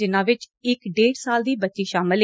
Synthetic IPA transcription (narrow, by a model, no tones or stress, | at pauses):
ɪnãːʋɪt͡ʃ | ɪkɖeːɖsaːld̪iːbətːt͡ʃiːʃaːmɪl